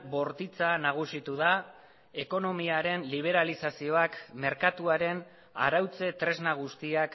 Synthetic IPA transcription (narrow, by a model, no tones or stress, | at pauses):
bo̞ɾt̪it͡sanaɣ̞usit̪uða | e̞ko̞no̞miaɾe̞nliβ̞e̞ɾalisasio̞akme̞ɾkat̪uaɾe̞n | a̰ɾawt͡se̞t̪ɾe̞znaɣ̞ust̪iak